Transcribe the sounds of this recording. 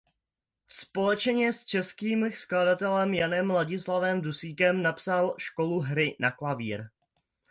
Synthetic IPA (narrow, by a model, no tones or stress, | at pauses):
spo̞lɛt͡ʃɲɛst͡ʃɛskiːmskladat̪ɛlɛmjanɛmlaɟɪslavɛmdusiːkɛmnapsalʃkoluɦɾɪnaklavḭːɾ